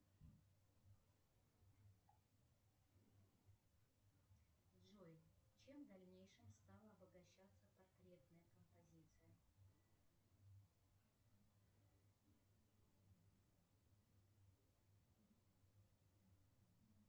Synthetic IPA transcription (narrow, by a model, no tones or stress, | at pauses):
ʐojt͡ɕe̞md̪ɐlʲnʲejʂɨmst̪alˠəɐbəɡɐɕːat̪sːəpɐrk̪ɾʲe̞t̪nəjəkəmpɐzʲit̪sɨjə